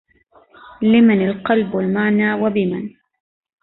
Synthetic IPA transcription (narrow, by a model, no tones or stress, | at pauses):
lɪmanalqɑlbalmaʕnaːwabɪman